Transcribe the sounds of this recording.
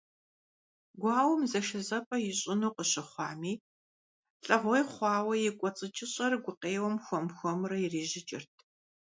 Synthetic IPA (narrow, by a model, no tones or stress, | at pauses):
ɡʷɑːwʊmzɐʃɐzɐpʼɐjɪɕʼɪnuːqəɕɪχʷɑːmiː | ɬʼɐʁʷɔjχʷɑːwɐjɪkʷʼɔt͡sʼɨt͡ʃʼɪɕʼɐrɡʷʊqeːwɐmxʷɔmxʷɔmrɐjɪriːʑɪt͡ʃʼɪrtʰ